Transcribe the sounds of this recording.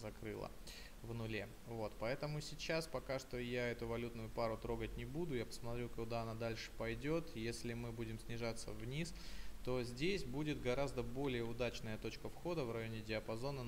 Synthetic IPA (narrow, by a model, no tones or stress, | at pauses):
zɐkɾɨ̰lˠə̰ | vnʊlʲe | vo̞t̪pɐɛt̪əmʊsʲɪt͡ɕaspɐkaʂt̪o̞jaɛt̪ʊvɐlʲut̪nʊjʊpaɾʊt̪ɾo̞ɡətʲnʲɪbud̪ʊjapə̥smɐt̪ɾʲukʊd̪aɐnad̪alʲʂɨ̥pɐjdʲo̞t̪jesʲlʲɪmɨbudʲɪmsʲnʲɪʐat̪sːəvnʲist̪o̞zʲdʲesʲbudʲɪt̪ɡɐɾazd̪əbo̞lʲɪjəʊd̪at͡ɕnəjət̪o̞t͡ɕkəfxo̞d̪əvrɐjo̞nʲɪdʲɪɐpɐzo̞nə